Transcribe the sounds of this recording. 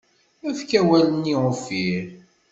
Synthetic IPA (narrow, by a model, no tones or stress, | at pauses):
æθkæwæləniʁofiɾ